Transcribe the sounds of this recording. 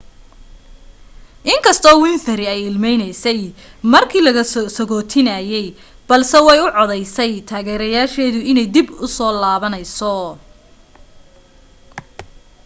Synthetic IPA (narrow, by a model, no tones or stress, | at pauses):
ʔɪŋkʰɐst̪ʰɔːwɪnθɐɾɪɛjɪlmɛjnɛjsɛj | mɐrkʰiːlɐɣɐsɔɣɔːt̪ʰɪnaːjɛj | b̥ɐlsɛwɑjʊʕɔðɛjsɛjt̪ʰaːɣɛːɾɐjaːʃɛːðʊɪnɛjd̪ibʊsɔːlaːβɐnɛjsɔ